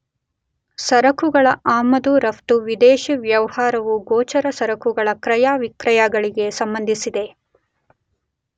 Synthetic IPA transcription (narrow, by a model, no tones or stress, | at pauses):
sɐɾɐkuɡɐɭɐʔaːmɐd̪uɾɐft̪uʋid̪eːʃiʋjɐʋɐhaːɾɐʋuɡɔːt͡ʃɐɾɐsɐɾɐkuɡɐɭɐkɾɐjaːʋikɾɐjaːɡɐɭiɡe̞sɐmbɐnd̪ʱisid̪e̞